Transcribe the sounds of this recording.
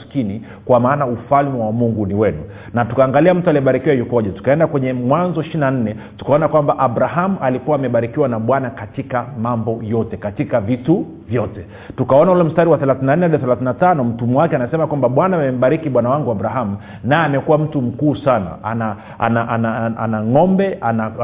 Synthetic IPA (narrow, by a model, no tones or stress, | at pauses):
skini | kwamaːnaufalmɛwamuŋɡuniwɛnu | natukaːŋɡaliam̩tualiɛɓaɾikiwajukɔʄatu̥kaɛndakwɛɲɛmwanzɔiʃinan̩nɛtu̥kaɔnakwambaʔaɓɾaɦamuʔalikuwaːmɛɓaɾikiwanaɓwanakatikamambɔjɔtɛkatikavitu | vjɔtɛ | tukaɔnaulɛm̩staɾiwaθɛlaθinanɛaɗθɛlaθinatanɔm̩tumwakɛanasɛmakwambaɓwanaːmɛm̩ɓaɾikiɓwanawaŋɡuaɓɾaɦamu | najɛamɛkuwam̩tum̩kuːsana̰a̰na | a̰naʔanaʔa̰naŋɔmbɛʔana